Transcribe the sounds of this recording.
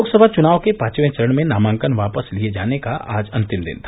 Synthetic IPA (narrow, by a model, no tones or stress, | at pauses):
oːɡsəbʱat͡ʃʊnaːʋkepaːt͡ʃʋẽt͡ʃəɾəɳmẽnaːmãːŋkənʋaːpəslied͡ʒaːnekaʔaːd͡ʒɐ̃nt̪ɪmd̪ɪ̰nt̪ʰa